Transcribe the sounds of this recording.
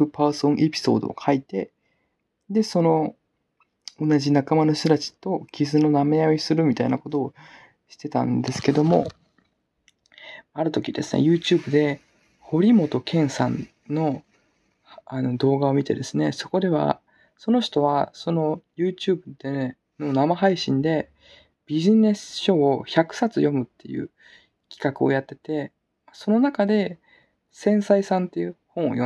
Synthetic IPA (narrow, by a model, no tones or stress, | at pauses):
ɯ̟pasõŋ̃ʔe̞pʲi̥so̞̰ːd̪o̞̰ːkʰait̪e̞ | d̪e̞so̞no̞ | onaʑinakamano̞ɕt̪ot̪at͡ɕi̥t̪o̞ɡʲizɨno̞name̞jaisɨɾɯ̟mʲit̪ainako̞t̪o̞ː | ɕi̥t̪e̞t̪ã̰nd̪e̞sɨ̥ke̞d̪o̞mo̞̰ | maɾɯ̟t̪o̞kʲid̪e̞̰sɨ̥nḛjɯːt͡ɕɨːbɯ̟d̪e̞ | ho̞ɾʲimo̞t̪o̞kʰẽ̞ɰ̃sã̰nː | o̞ | ano̞d̪o̞ːɡao̞mʲit̪e̞d̪e̞sɨne̞so̞ko̞d̪e̞βa̰ | so̞no̞ɕi̥t̪o̞βaso̞no̞jɯ̟ːt͡ɕɨːbɯ̟d̪e | no̞namaɦaiɕĩnd̪e̞ | b̥ʲiʑine̞sɨ̥ɕo̞ːçakɯ̟̥sat͡sɨjo̞mɯ̟t̪ːe̞̰jɯ̟̰ː | kʲi̥kakɯo̞̰jat̪ːe̞t̪e̞ | maso̞no̞nakad̪e̞ | sẽ̞ɰ̃saisãnt̪ːe̞jɯːhõ̞ɰ̃o̰jo